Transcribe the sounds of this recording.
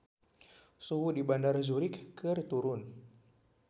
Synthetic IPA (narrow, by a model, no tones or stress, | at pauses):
suɦudibandarzuɾɪkːɨrt̪uɾʊn